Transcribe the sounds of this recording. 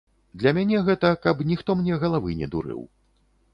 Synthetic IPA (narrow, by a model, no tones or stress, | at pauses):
d̪lʲɐmʲanʲɛɣɛt̪ɐkɐpnʲixt̪ɔmnʲɛɣɐlˠavɨnʲɛ̰d̪ṵɾɨ̰w